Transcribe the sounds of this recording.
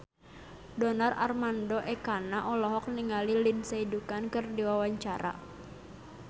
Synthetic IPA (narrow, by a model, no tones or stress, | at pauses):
dɔnara̰rmandɔʔɛkanaʔɔlɔɦɔk̚niŋalilinsaidukankɨrdiwawaɲt͡ʃaɾa̰